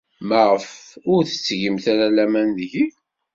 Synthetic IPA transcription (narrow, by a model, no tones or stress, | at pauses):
məʁəfʊɾθə̥t͡sːʝəmθæɾælæmænðʝi